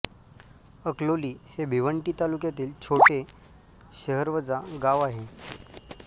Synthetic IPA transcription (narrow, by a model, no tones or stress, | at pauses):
əkloliːhebʱiʋəɳʈiːt̪alukjat̪iːlt͡ɕʰoʈe | ɕəɦəɾʋəd͡zaɡaʋaɦe